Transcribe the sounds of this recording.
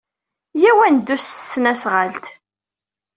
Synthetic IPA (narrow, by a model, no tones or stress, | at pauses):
jæwænd̪ːustsːnæsʁalt̪